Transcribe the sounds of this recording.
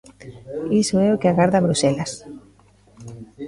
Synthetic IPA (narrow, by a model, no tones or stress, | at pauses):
isoɛokeaɣaɾðaβɾusɛlas